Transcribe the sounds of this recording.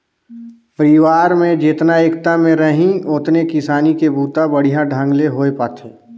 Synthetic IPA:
pəɾɪʋaːɾmẽd͡ʒɪt̪naeːkt̪amẽɾəɦĩʊt̪nekɪsaːnikebʱuːt̪abɐɽ̤ijaɖʱə̃ŋɡleɦoːepaːt̪ʰeː

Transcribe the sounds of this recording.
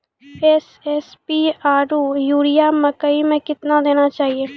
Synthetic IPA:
ɛs | ɛspiaːɾuːjuːɽijamɐkəimẽkɪt̪nad̪eːnat͡ʃaːɦieː

